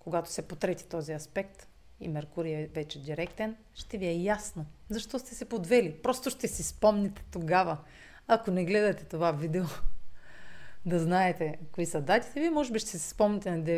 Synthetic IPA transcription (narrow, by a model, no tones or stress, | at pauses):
koɡat̪o̥sɛpot̪ɾɛt̪i̥t̪ɔziɐspɛkt̪ | ḭmɛɾkuɾiɛvɛt͡ʃɛd̪iɾɛkt̪ɛn | ʃt̪ɛviɛjasnozɐʃt̪ɔst̪ɛsɛpod̪vɛlipɾɔst̪oʃt̪ɛsispɔmnʲɛt̪ɛ̥t̪oɡavɐ | ɐkonɛɡlɛd̪ɐt̪ɛt̪ovavid̪ɛo | d̪ɐznaɛt̪ɛkoisɐd̪at̪i̥t̪ɛvimɔʒɛbiʃt̪ɛsi̥spɔmnit̪ɛnɐd̪ɛ